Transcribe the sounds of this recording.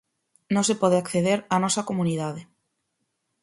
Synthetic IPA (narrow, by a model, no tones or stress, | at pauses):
nõsepɔðeakθeðeɾanɔsɐkomuniðaðe